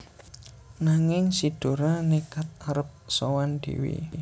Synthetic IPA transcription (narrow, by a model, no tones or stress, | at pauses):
naŋɪŋsid̪̥o̤ɾanikat̪̚aɾəp̚sowand̪̥ḭwḭ